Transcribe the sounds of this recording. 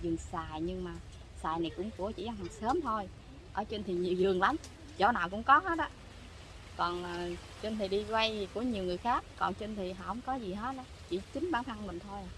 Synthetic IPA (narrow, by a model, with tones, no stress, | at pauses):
zɨ˨˩ŋsaː˨˩jɲɨ˧ŋmaː˨˩ | saː˨˩jna˨˩jkʊ̰˧˥ŋ͡mku˧˩˦ət͡ɕḭ˧˥ʔa˧ŋwaː˨˩ŋsəː˨˦mt̪ʰo˧j | ʔəː˧˩t͡ɕe˧nt̪ʰi˨˩ɲi˨˩˨wzɨ˨˩əŋla˨˦m | zo̰˧˦naː˨˩wkʊ̰˧˥ŋ͡mkɔ˨˦ɦə˦˥t̚ɗɔ˨˦ | kɔ˨˩nː˨˩ | t͡ɕe˧nt̪ʰi˨˩ɗi˧zwa˧jku˧˩əɲi˨˩əwŋɨ˨˩əjxaː˦˥k̚ːɔ˨˩nt͡ɕi˧n̟t̪ʰi˨˩ɦaː˧˩hə˧˦ŋ͡mkɔ˨˦zi˨˩ɦə˦˥t̚ɗɔ˧˦t͡ɕḭ˧˩t͡ɕï˨˦ŋ̟ɓaː˧˩nt̪ʰa˧ŋmï˨˩ŋ̟t̪ʰo˧j